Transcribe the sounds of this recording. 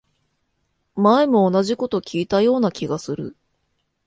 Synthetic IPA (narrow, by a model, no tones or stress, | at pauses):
maemo̞ːnaʑiko̞t̪o̞kʲiːt̪ajo̞ːnakʲiɡasɨɾɯ̟̰